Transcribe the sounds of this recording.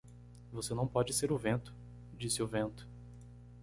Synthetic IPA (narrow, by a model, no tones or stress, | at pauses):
vosenɐ̃w̃pɔd͡ʒɪseɾʊvẽnt̪ʊ̥ | d͡ʒisɪʊvẽnt̪ʊ̥